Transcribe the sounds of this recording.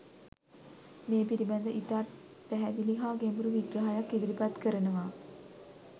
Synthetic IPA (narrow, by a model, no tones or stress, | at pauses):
meːpiɾibɛnd̪əʔit̪a | pæɦæd̪iliɦaːɡembuɾuʋiɡɾəɦajakːed̪iɾipat̪kəɾənəʋa